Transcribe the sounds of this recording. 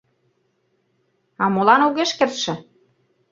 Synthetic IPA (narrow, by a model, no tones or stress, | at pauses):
ɑmolɑnuɣeʃkerʃĕ